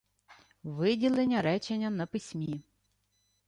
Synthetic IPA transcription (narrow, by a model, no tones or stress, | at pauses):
ʋɪdʲilˠenʲːɐɾɛt͡ʃenʲːɐnɐpɪsʲmʲi